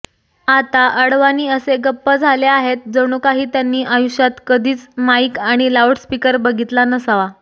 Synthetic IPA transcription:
at̪aʔəɽʋaniːəseɡəpːəd͡zʱaleaɦet̪̚d͡zəɽ̃ukaɦiːt̪janːiːʔajuɕjat̪kəd̪ʱiːt͡smaikaɽ̃ilawʈspikəɾbəɡʱit̪lanəsaʋa

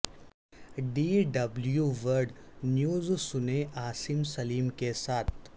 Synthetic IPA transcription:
ɖiːɖɐbljuʋəɾɖnjuːzsʊneaːsimsɐliːmkesaːt̪̚ʰ

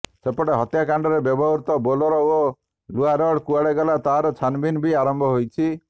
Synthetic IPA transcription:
sepɔɽeɦɔt̪jakaɳɖɔɾebjɔbɔɦuɾt̪ɔbolɔɾɔo | luaɾɔɽkuaɽeɡɔlat̪aɦaɾɔt͡ʃʰanbinbʱiaɾɔmbʱɔɦojt͡ʃʰi

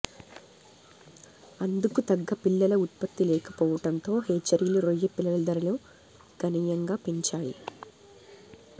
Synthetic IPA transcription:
ɐnd̪ukut̪ɐɡːɐpilːɐlɐut̪̚pɐt̪ːilɛːkɐ̥pɔːʋɐʈɐnt̪o̞ːɦeːt͡ʃɐɾiluɾojːɐpilːɐlɐd̪ɐɾɐlɐ | ɡ̥ɐniːjɐŋɡaːpiɲt͡ʃaːjḭ

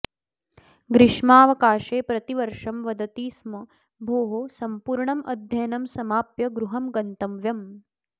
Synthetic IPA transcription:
ɡɾɪʂmaːʋɐkaːʃeːpɾɐt̪iʋɐɾʂɐmʋɐd̪ɐt̪iːsmɐ | bʱoːɦosɐmpuːɾɳɐmʔɐd̪ʱjɐjɐnɐmsɐmaːpjɐɡɾuɦɐmɡɐnt̪ɐmʋjɐm

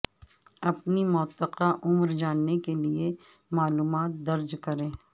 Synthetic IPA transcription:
ɐpnimɔt̪ːəqaʔʊmɾd͡ʒaːnːekelie | maːluːmaːt̪̚d̪ɐɾd͡ʒkɐɾẽː

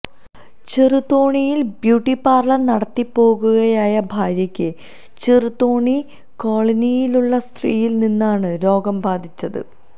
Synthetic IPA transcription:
t͡ɕerut̪ːoːɳijilbjuːʈːipːaːrlɐnɐɽɐt̪ːipːo̞ːɣuɣɐjaːjɐbʱaːɾjɐkʲːɨ | t͡ɕerut̪ːoːɳi | ko̞ːɭɐnijiluɭːɐst̪riːjilninːaːɳɨɾo̞ːɡɐmbʱaːd̪ʱit͡ɕːɐðɨ̰

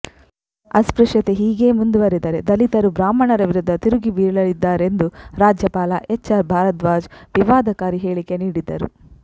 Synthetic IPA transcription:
ɐspɾuʂjɐt̪eɦiːɡe̞ːmund̪uʋɐɾid̪ɐɾe̞d̪ɐlit̪ɐɾubɾaːmɐɳɐɾɐʋiɾud̪ʱːɐt̪iɾuɡibiːɭɐlid̪ːaːɾe̞nd̪uɾaːd͡ʒjɐpaːlɐʔet͡ʃːɐɾbʱaːɾɐt̪ʋaːd͡ʒʋiʋaːd̪ɐkaːɾiɦe̞ːɭike̞niːɽid̪ɐɾṵ

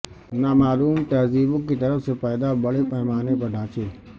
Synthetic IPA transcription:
naːmaːluːmt̪ɐɦziːbʊ̃kit̪ɐɾəfsepɛːɪd̪abɐɽepəɦɪmaːnep̬ɐɖʱãːt͡ʃʰeː

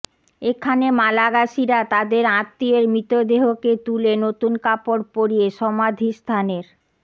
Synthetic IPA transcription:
ekʰanemalaɡaʃiɾat̪ad̪eɾãt̪ːieɾmɾit̪od̪eɦoket̪ulenot̪unkapoɾpoɾieʃɔmad̪ʱist̪ʰaneɾ

